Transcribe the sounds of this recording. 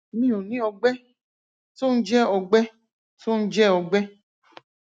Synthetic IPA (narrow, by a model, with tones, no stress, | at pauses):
mĩ˦˨o˨nĩ˨˦ɔ˧ɡ͡bɛ˦ | to˦n̩˦d͡ʒɛ˦ɔ˧ɡ͡bɛ˦ | to˦n̩˦d͡ʒɛ˦ɔ˧ɡ͡bɛ˦